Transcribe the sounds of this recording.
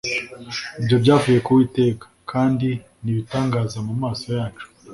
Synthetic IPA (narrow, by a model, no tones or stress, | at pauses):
ibjo̞bɟaːvuje̞kuwiːte̞ːkḁkʰaːndi | niβitaːŋɡaːzamumaːso̞jaːt͡ʃu̥